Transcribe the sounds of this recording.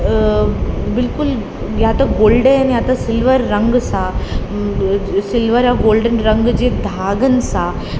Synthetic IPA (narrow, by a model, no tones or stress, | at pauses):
bɪlkul | jat̪aɡoːlɖeaniat̪asɪlʋəɾːəŋɡsa | sɪlʋəɾaɡoːlɖənɾəŋɡd͡ʑed̪ʱaːɡənsa